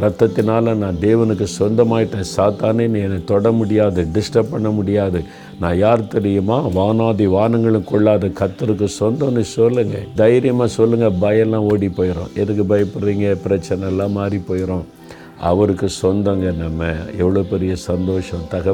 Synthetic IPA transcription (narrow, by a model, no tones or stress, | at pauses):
ɾɐt̪ːɐt̪ːɪnaːlɐnãːd̪eːʋɐnɯkːɯsɔnd̪ɐmaːjɪʈːẽːsaːt̪aːneːniɛnːɐt̪ɔɽɐmʊɽɪjaːðɯɖɪsʈɐppːɐɳːɐmʊɽɪjaːðɯ | nãːjaːɾt̪ɛɾɪjɯmaːʋaːnaːðiʋaːnɐŋɡɐɭɯ̃kɔɭːaːðɯkɐt̪ːɯɾɯk̬ːɯsɔnd̪ɐ̃nːɯsɔlːɯŋɡɐd̪ɐjɾɪjɐmaːsɔlːɯŋɡɐbɐjɛlːãːoːɽipːoːjɪɾõ̰ːʔɛðɯkːɯbɐjɐpːɯɽɾiːŋɡɐpɪɾɐt͡ʃːɐnɛɛlːãːmaːd̪ɾipoːjɪɾõː | ɐ̰ʋɐɾɯkːɯsɔnd̪ɐŋɡɐnɐmːɐɛʋːɐɭoːpɛɾɪjɐsɐnd̪oːʂɐ̃t̪ɐɣɐ